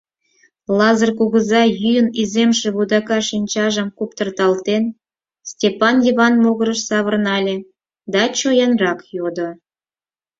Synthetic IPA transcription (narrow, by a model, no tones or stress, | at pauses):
lɑzərkuɣəzɑjyjənizemʃĕβud̪ɑkɑʃinʲt͡ɕɑʒəmkupt̪ərt̪ɑlt̪en | stʲepɑnjəβɑnmoɣəɾəʃsɑβərnɑlʲe | d̪ɑt͡ɕojɑnrɑkjod̪o